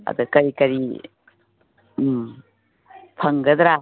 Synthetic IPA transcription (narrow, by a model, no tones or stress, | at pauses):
ɐ̰d̪ukɐɾikɐɾi | m | pʰɐŋɡɐd̪ɾa